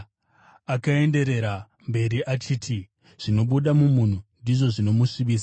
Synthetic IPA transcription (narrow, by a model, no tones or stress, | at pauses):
akae̞nde̞ɾe̞ɾa | mbe̞ɾiʔat͡ʃiːtʰi | ʐ̥ino̞ɓuɗamumun̤undiʐo̞ʐino̞muʂimiːs̬a